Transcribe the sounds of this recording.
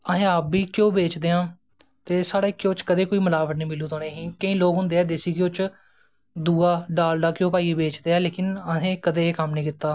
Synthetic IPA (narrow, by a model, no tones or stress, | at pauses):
əɦẽːabiːkjõːbeːt͡ʃd̪eːãː | t̪eːsaːɽaːɪkːjoːt͡ʃkəd̪eːkoːiːməlaːʋəʈ̪nĩːmɪluːt̪oːneːɦĩːkəĩːloːkɦʊ̃nd̪eːɛːd̪eːsiːkjoːt͡ʃ | d̪uːaːɖaːlɖaːkjõːpaːiːbeːt͡ʃd̪eːɛːleːkɪnəɦẽːkəd̪eːeːkəmnĩːkɪt̪ːaː